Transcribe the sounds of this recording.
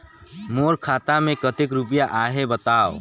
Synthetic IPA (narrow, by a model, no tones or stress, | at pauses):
moɾkʰaːt̪amẽkət̪ek̬ɾupəjaʔaɦebət̪aːo̰